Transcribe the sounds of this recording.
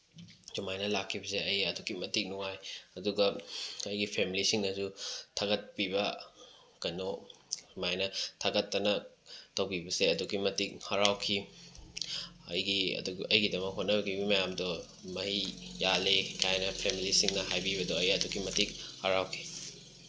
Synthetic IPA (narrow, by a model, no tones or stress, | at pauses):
d͡ʒumajnɐlakʰːibɐseɐjdukimɐtik̚nuŋajɐduɡɐɐjɡipʰemilisiŋnɐsutʰaɡɐt̚pibɐ | kɐjnomajnɐtʰaɡɐtːɐnɐtɐwbibɐseɐduɡimɐtik̚haɾawkʰi | ɐ̰jɡiɐ̰duɐjɡidɐmɐk̚ɦot̚nɐbɐɡibimɐjamdɔ | mɐhijalekajnɐpʰemilisiŋnɐhajbiβɐdɔɐjɐduɡimɐtik̚haɾawkʰi̥